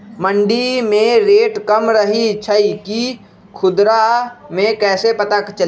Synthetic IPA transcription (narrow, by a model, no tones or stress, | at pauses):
mə̃ɳɖimẽɾeːʈkəmɾəɦit͡ʃʰəiki | kʰʊd̪ɾamẽkɛːsepət̪akt͡ʃəl